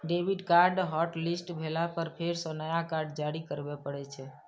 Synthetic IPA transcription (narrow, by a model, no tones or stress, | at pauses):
ɖebʱiɖkaɾɖɦɔʈlisʈbʱelapəɾpʰeɾsɔ̃nəjakaɾɖd͡ʒaɾikəɾbɛpəɽɛt͡ʃʰɛ